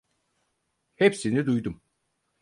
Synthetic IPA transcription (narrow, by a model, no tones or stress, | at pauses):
hepsinid̪ujd̪um